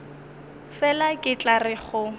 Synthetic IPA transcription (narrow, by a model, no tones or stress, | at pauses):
fɛlakʼɪt͡ɬʼarɪχʊ